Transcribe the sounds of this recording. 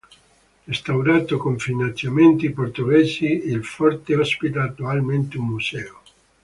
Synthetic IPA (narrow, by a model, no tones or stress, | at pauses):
est̪awɾaːt̪okoɱfinant̪sjament̪iport̪oɡɛːsiilfɔrt̪eɔspit̪aːt̪ːualment̪umːusɛːo